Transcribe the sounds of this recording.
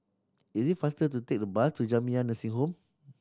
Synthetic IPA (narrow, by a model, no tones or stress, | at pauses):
izifast̪ət̪ət̪ɛk̚dəbast̪ud͡ʒamĩãnə̃siŋɦom